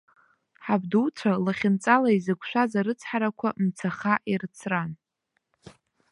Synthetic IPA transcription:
ħabduwt͡sʷʰalaχʲɪnt͡sʼalaizɨkʷʃʷᶣazaɾɨt͡sʰħaɾakʷʰamt͡sʰaχaʔirɨt͡sʰran

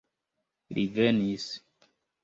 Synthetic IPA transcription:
ɾivenis

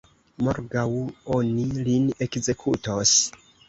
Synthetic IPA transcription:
moɾɡawo̞niline̞kze̞kʰutos

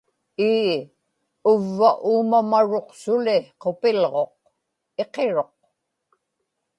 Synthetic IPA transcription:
iː | ʊvːaʔuːmamaɻo̞qsʊlɪqopɪlʁo̞q̚ | e̞qe̞ɻo̞q

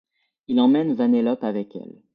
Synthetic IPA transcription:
ilɑ̃mɛnvanelɔpavɛkɛ̰l

